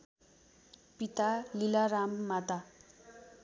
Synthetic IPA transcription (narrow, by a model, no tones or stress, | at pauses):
pit̪alilaɾamːat̪a